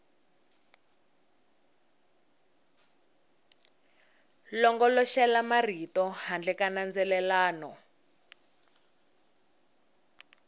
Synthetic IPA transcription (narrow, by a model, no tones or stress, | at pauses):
lɔŋɡɔlɔʃɛlamaritɔhand͡ɮɛkanand͡zɛlɛlaːnɔ